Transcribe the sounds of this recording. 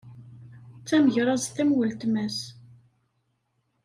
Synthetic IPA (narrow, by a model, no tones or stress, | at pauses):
t͡sːæməʝɾˤɑzθæmwəlt̪mæs